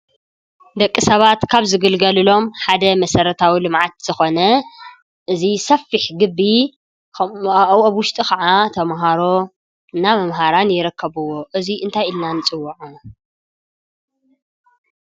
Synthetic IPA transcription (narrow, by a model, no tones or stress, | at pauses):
d̪ɐkʼːisɐβat̪kʰaβzɨɡɨlɡɐlɨlo̞mħad̪ɐmɐsɐɾɐt̪ʰawilɨmʕat̪z̥ɨxo̞nɐ | ʔɨzisɐfːiħɡɨbːi | wɐβwʊʃt̪ʼikɐʕat̪ʰɐmɦaɾo̞ | ɨnːamɐmɦaɾanjɪɾɨkʰːɐβɨwo̞ʔɨziʔɨnt̪ʰajɨlnanɨt͡sʼɨwːɐʕu